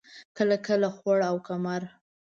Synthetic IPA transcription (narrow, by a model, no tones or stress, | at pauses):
kəlakəlaxwaɽawkamaɾ